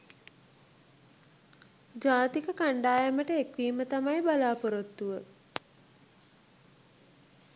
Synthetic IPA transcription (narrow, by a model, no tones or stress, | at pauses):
d͡ʒaːt̪ikəkaɳɖaːjaməʈəekʋiːmət̪amajbalaːpuɾot̪ːuʋə